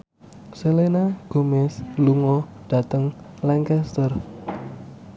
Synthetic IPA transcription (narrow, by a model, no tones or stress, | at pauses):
səlenaɡ̥omɛsluŋɔ | ɖ̥a̤t̪əŋ | lɛŋkɛst̪ər